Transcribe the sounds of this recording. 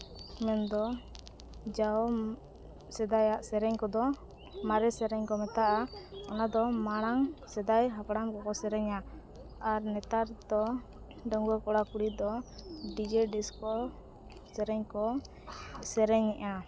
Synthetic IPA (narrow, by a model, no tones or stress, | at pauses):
mɛnd̪ɔ | d͡ʒaɔ | sɛd̪ajaʔsɛɾɛɲkɔd̪ɔ | maɾɛsɛɾɛɲkɔmɛt̪aʔaɔnad̪ɔmaɽ̃aŋsɛd̪ajɦapɽamkɔkɔsɛɾɛɲaː | ɾnɛt̪aɾd̪ɔ | ɖəŋɡɔkɔɽakuɽid̪ɔɖid͡ʒɛɖiskɔ | sɛɾɛɲkɔ | sɛɾɛɲːɛʔa